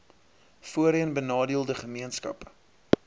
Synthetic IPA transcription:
fuəɾiənbənɑːdiəlˠdəχəmiənskɐ̰pə

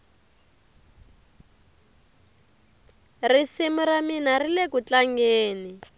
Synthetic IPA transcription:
risimuraminarilɛkut͡ɬaŋɡeːni

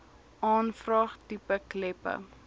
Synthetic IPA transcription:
ʔɑːnfrɑːχtipəklɛpə̰

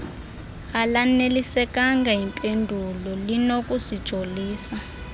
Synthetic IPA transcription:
alanelisɛk̬ʼaŋɡaɦimpʼendʱulɔlinok̬ʼusid̥ʒ̥ʱoliːsa

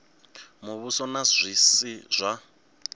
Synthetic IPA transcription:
muβusɔnazʷisizʷa

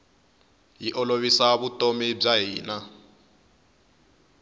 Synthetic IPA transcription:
jiʔɔloβisaβutʼomib͡ʐaɦiːna

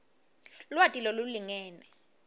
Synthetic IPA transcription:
lwatʼiloluliŋɛːnɛ

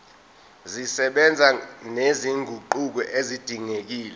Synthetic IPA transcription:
zisɛɓɛnd͡zʱaneziŋɡʱuǃuk̬ɔʔezid̥ʱiŋek̬iːlɛ

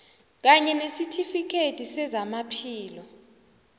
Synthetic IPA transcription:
k̬aɲɛnesitʰifik̬ʰetʼisɛzamapʰiːlɔ

